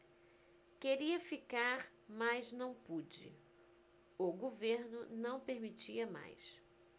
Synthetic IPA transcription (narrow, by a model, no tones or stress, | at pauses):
keɾiɐfikaɾ | majznɐ̃w̃pud͡ʒɪ̰ | ʊɡoveɾnʊnɐ̃w̃peɾmit͡ʃiɐma̰js